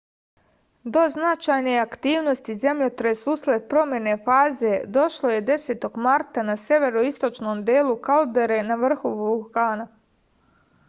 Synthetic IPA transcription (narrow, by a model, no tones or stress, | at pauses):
d̪o̞znat͡ʃajneakt̪iːʋno̞st̪ize̞mʎot̪ɾesusled̪̚pɾo̞mje̞ne̞faːze̞d̪o̞ʃlˠo̞je̞d̪e̞set̪o̞ɡmaɾt̪anasjeʋe̞ɾoist̪ot͡ʃno̞ːmd̪eːlˠukalud̪eɾe̞naʋr̩xuulˠkaːna